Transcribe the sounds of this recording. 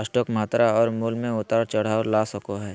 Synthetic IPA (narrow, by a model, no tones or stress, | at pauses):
əsʈɔːkmaːt̪ɾaɔːɾmuːlmẽʊt̪aːɾt͡ʃɐɽ̤aːɾlaːsɐkoɦɛː